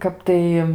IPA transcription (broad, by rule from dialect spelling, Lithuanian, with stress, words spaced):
ˈkɐp tɐɪ